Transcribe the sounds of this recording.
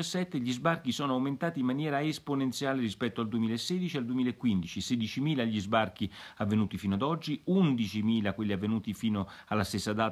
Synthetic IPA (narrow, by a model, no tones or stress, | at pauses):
asːɛt̪ːeʎizbarkisɔːnoawment̪aːt̪imːanjɛːɾaesponent̪sjaːleɾispɛt̪ːoald̪uemiːlaesːeːd̪it͡ʃiald̪uemilaekːwind̪it͡ʃised̪it͡ʃimiːlaʎːizbark̟iavːenuːt̪ifinoad̪ɔd͡ʒːiund̪it͡ʃimiːlakwelːiavːenuːt̪ifiːnoalːast̪esːad̪aː